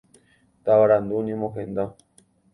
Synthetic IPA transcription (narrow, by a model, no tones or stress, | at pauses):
t̪aβaɾand̪unĩmõxend̪a